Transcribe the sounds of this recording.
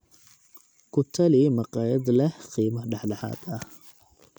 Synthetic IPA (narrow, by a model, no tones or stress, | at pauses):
kʊt̪ʰːɐlimɐqʼaːjɐd̪lɐhqiːmɐɖɐħlɐħa̰ːd̪ɐh